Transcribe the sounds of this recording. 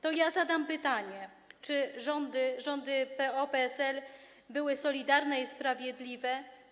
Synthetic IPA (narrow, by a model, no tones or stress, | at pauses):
t̪ɔjazad̪ampɘt̪aɲɛ | t͡ʂɘʐɔnd̪ɘʐɔnd̪ɘpɛɔpɛɛsɛl | bɘwɘsɔlʲid̪aɾnɛispɾavʲjɛd̪lʲivɛ